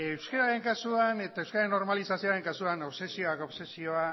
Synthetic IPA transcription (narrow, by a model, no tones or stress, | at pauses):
ewskeɾaɾe̞ŋkasuane̞t̪aewskeɾaɾenːo̞ɾmalisasioaɾe̞ŋkasuanoβse̞sio̞akoβse̞sio̞a